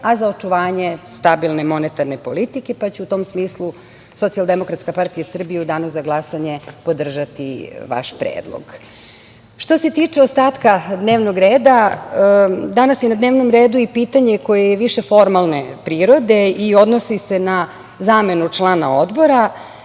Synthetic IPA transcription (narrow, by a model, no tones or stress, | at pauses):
azaot͡ʃuʋaːɲe̞st̪abilˠnemo̞net̪aɾnepo̞lit̪ike̞pat͡ɕuut̪o̞ːmsmiːslˠu | so̞t̪sialˠd̪emo̞kɾat̪skapaɾt̪ijasr̩bijeud̪anosaɡlˠasaɲe̞po̞d̪r̩ʒat̪ḭʋa̰ʃpɾḛːd̪lˠo̰ɡ | ʃt̪o̞se̞t̪iːt͡ʂe̞ost̪aːt̪kad̪neːʋnoɡɾeːd̪a | d̪anasjenad̪ne̞ːʋnomɾeːd̪uipiːt̪aɲe̞ko̞jejeʋiʃe̞fo̞ɾmalˠne̞pɾiːɾo̞d̪e̞io̞d̪nosise̞na | zaːme̞nut͡ʂlˠaːnaod̪bo̞ɾa